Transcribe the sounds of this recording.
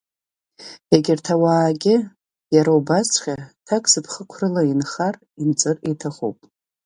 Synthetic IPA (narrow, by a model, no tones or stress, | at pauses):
eɡʲɪrtʰawaːɡʲɪ | jaɾaubat͡sʷʰχʲatʰakʼsɨpʰχəkʷʰrɨlainχar | int͡sʼɨritʰaχṵpʼ